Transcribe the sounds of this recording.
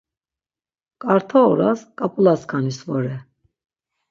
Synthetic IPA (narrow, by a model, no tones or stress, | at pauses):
kʼaɾt̪ʰɔːɾa̰skʼapʼulaskʰanisvɔɾɛ